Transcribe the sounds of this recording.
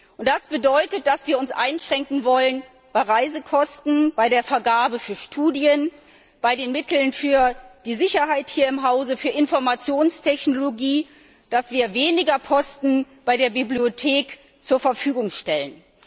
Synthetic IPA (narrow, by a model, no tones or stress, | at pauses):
ʔʊntd̥asb̥ədɔʏtət̚d̥asv̥iːɐʊnsʔa̰ɪnʃʁ̥ɛŋkŋ̩vɔlən | b̥aɪʁaɪzəkʰɔstn̩b̥aɪɾeːɐfɛɐɡaːbəfyːɐʃtʰuːdjən | b̥aɪdeːnmɪtʰl̩nfyːɐd̥iːzɪçɐɦaɪthiːɐɪmɦaʊzəfyːɐɪnfɔɐmat͡sjoːnstʰɛçnoloɡiː | d̥asv̥iːɐveːnɪɡɐpʰɔstn̩b̥aɪdeːɐbibliotʰeːk | t͡suːɐfɛɐfyːɡʊŋʃtɛlən